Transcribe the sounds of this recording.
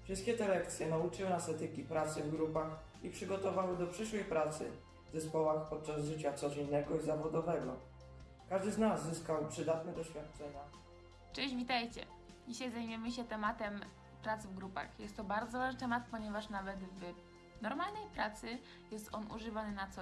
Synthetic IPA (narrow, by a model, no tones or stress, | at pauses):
fʂɘst̪̚kʲɛt̪ɛlɛk̚t̪sʲjɛnaut͡ʂɘwnasɛt̪ɘkʲipɾat̪sɘvɡɾupax | ipʂɘɡɔt̪ɔvawɘd̪ɔpʂɘʂwɛjpɾat̪sɘ̰ | zɛspɔwaxpɔt̪̚t͡ʂazʐɘt͡ɕat̪sɔd͡ʑɛnːɛɡɔizavɔd̪ɔvɛɡɔ | kaʐd̪ɘznazːɘskawpʂɘd̪at̪nɛd̪ɔɕfʲjat̪̚t͡ʂɛɲa | t͡ʂɛ̃ʑvʲit̪ajt͡ɕɛ̰ | d͡ʑiɕajzajmujɛmɘɕɛt̪ɛmat̪ɛm | pɾat̪svɡɾupa̰xjɛst̪ːɔbaɾd̪zɔvaʐnt̪ɛmat̪̚pɔɲɛvaʂnavɛt̪v | nɔɾmalnɛjpɾat̪sɘ | jɛst̪ɔnʔṵʐɘvanɘnat̪sɔ